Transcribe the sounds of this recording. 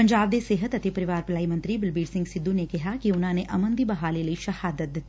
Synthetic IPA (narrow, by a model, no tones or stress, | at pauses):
pɐ̃ɲd͡ʒaːb̚d̪eseːɦət̪ɐt̪epɐɾɪʋaːɾpɐlaːimɐ̃nt̪ɾibɪlbiːɖsɪ̃ŋɡsɪd̪ːunekɪɦakiʊn̤ãːneʔɐmə̃nd̪ibɐɦaːlelɐiʃɐhaːd̪ət̪̚d̪ɪt̪ːi